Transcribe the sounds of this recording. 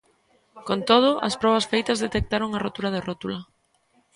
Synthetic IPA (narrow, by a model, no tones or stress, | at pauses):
kont̪oð̞ʊʔɐ̰spɾɔβ̞ɐsfejt̪ɐzðet̪ek̚t̪aɾoŋɐrot̪uɾɐðerot̪ulɐ